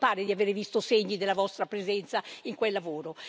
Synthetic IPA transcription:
paːɾed̪iaveːɾevist̪oseɲːid̪elːavɔst̪ɾapɾezɛnt̪saiŋkwelːavoːɾo

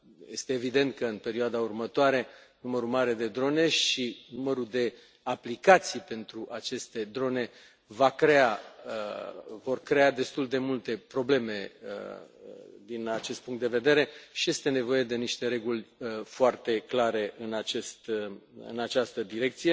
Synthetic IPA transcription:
je̞st̪e̞ːvid̪e̞nt̪̚kəɨnpe̞ɾioad̪aurmət̪oaɾe̞numəɾumaɾe̞d̪e̞d̪ɾo̞ne̞ʃinuməɾud̪e̞ | aplikat̪sijpe̞nt̪ɾuʔat͡ʃe̞st̪e̞d̪ɾo̞ne̞ | vakɾe̞aəvo̞rkɾe̞ad̪e̞st̪uld̪e̞mult̪e̞pɾo̞ble̞me̞ə̰ | d̪inat͡ʃe̞st̪puŋkt̪d̪e̞ve̞d̪e̞ɾe̞ʃije̞st̪e̞ne̞vo̞je̞d̪e̞niʃt̪e̞ɾe̞ɡulʲəfoart̪e̞klaɾe̞ʔɨnat͡ʃest̪ɨ̰nat͡ʃast̪əd̪iɾe̞k̚t̪sije

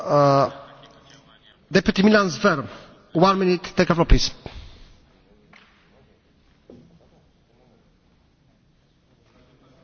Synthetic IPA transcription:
d̪ɛpjʉt̪imilansvɛɾ | wãnminɪt̪ːeɪkaflɔpʰlis

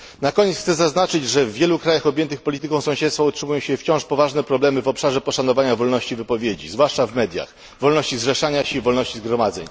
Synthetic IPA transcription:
nakɔɲet̪xt̪sɛzaznat͡ʂɘd͡ʑʐɛvːʲjɛlukɾajaxɔbʲjɛnt̪ɘxpɔlʲit̪ɘkɔ̃w̃sɔ̃w̃ɕɛt̪sfautʂɘmujɔ̃w̃ɕɛft͡ɕɔ̃w̃ʂpɔvaʐnɛpɾɔblɛmɘvɔpʂaʐɛpɔʂanɔvaɲavɔlnɔɕt͡ɕivɘpɔvʲjed͡ʑḭzvwaʂt͡ʂavmɛd̪ʲja̰x | vɔlnɔɕt͡ɕizʐɛʂaɲaɕɛivɔlnɔɕt͡ɕizɡɾɔmad̪zɛɲ

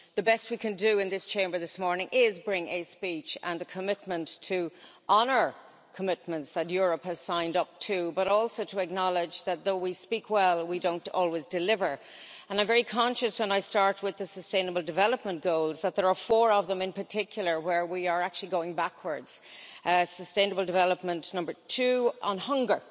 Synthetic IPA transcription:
ðəbɛst̚wikʰɨ̃ndɨɪ̃nðɪst͡ʃʰẽɪ̃mbə˞ðɪsmɔɹnɪ̃ŋʔɪzbɹɪ̃ŋɨspit͡ʃə̃nəkʰəmɪt̚mə̃ntʰəʔɑnə˞ | kʰəmɪt̚mə̃ntsðətjʊɹəphɨz̥sãɪ̃ndʌp̚tʰəbʌɾɔlˠsoʊɾʰəɨk̚nɑlˠɪd͡ʒðət̪̚ðoʊwispikʰwɛlˠwidõʊ̃ntɔ̰lˠwizdɨlɪvə˞ | ə̃nãɪ̃ɱvɛɹikʰɑ̃nʃɨswə̃naɪstɑɹt̚wɪðəsəstẽɪ̃nəbəl̩ˠdɨvɛlˠəp̚mə̃nɡ̥oʊlˠzðət̪̚ðə˞əfɔɹʌvðə̃mɪ̃npʰə˞tʰɪkʰjl̩ˠə˞wə˞wiə˞ak̚t͡ʃʉl̩ˠiɡoʊɪ̃ŋbakʰwə˞dz̥ | səstẽɪ̃nəbəl̩ˠdɨvɛləp̚mə̃nnʌ̃mbə˞tʰʉʔə̃nhʌ̃ŋɡə˞

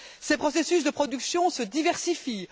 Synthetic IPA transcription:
sepχɔsesysd̪əpχɔd̪yksjɔ̃səd̪ivɛʁsifi

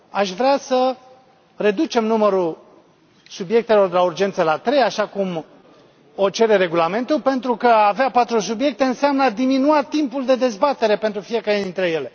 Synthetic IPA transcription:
aʃvɾeasə | re̞d̪ut͡ʃe̞mnuməɾu | subje̞k̚t̪e̞lo̞rd̪elaurd͡ʒe̞nt̪səlat̪ɾe̞jaʃakum | o̞t͡ʃe̞ɾe̞ɾe̞ɡulame̞nt̪ulpe̞nt̪ɾukəaveapat̪ɾus̬ubje̞k̚t̪e̞ɨnseamnad̪iminuat̪impuld̪e̞d̪e̞zbat̪e̞ɾe̞pent̪ɾufije̞kaɾed̪int̪ɾe̞je̞le̞

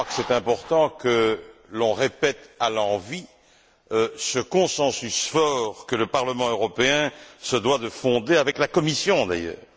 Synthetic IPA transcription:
akə̥sɛt̪ɛ̃pɔʁt̪ɑ̃kəlɔ̃ʁepɛt̪alɑ̃vi | øsəkɔ̃sɑ̃sysfɔʁkələpaʁləmɑ̃øʁɔpeɛ̃səd̪wad̪əfɔ̃d̪eavɛklakɔmisjɔ̃d̪a̰jœ̰ːʁ

